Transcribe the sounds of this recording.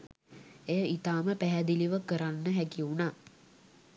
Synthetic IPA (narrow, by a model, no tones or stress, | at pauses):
ejəʔit̪aːməpæɦæd̪iliʋəkəɾanːəɦækiunaː